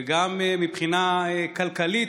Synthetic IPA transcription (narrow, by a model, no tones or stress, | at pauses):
ɡammipχinaekalkalit̪